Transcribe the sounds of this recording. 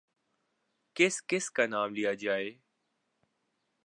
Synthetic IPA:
kɪskɪskaːnaːmlijad͡ʒaːeː

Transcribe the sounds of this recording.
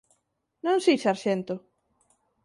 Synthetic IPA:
nõŋsiʃaɾʃɛnt̪ʊ

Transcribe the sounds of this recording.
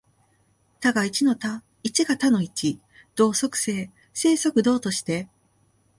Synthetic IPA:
t̪aɡait͡ɕino̞t̪a | it͡ɕiɡat̪ano̞it͡ɕi | d̪̥o̞ːso̞kɯ̟̥se̞ː | se̞ːso̞kɯ̟d̪o̞ːt̪o̞ɕi̥t̪e̞

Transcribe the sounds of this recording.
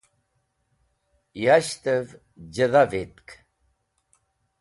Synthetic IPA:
jaɕt̪əv | d͡ʑəðavet̪k

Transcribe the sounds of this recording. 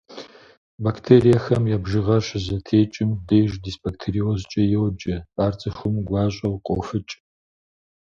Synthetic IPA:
bakʰtʰeːɾijɐxɐmjaːbʒɨʁɐʃzɐtʰeːt͡ʃʼɪmdejʒdisb̥aktʰeɾiozt͡ʃʼɐjɛwd͡ʒʼɐaːrt͡sʼɨxʷʊmɡʷɑːɕʼɐwqʷʼofɨt͡ʃʼ

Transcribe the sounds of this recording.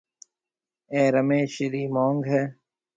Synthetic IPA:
eːɾəmeːʃɪɾiːmoːŋɡɦɛː

